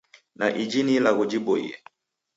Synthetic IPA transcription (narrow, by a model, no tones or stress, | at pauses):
na̰ʔid͡ʒinilaɣud͡ʒiɓɔḭjɛ̰